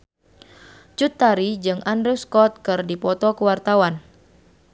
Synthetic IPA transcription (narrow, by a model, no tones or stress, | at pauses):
t͡ʃut̪ːaɾid͡ʒɨŋʔandɾɛskɔt̪̚kɨrdipɔt̪ɔkəwart̪awan